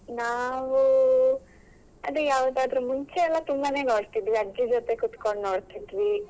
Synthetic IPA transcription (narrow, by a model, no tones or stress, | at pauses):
naːʋu | ɐd̪ujaːʋd̪aːd̪ɾumuɲt͡ʃeɛlːɐt̪umbɐne̞ːno̞ːɽt̪id̪ʋiɐd͡ʒid͡ʒot̪e̞kut̪koɳɖno̞ːɽt̪id̪ʋi